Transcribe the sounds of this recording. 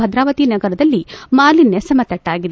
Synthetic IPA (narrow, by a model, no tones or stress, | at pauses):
ɐd̪ɾaːʋɐt̪inɐɡɐɾɐd̪ɐlːimaːlinːesɐmɐt̪ɐʈːaːɡid̪e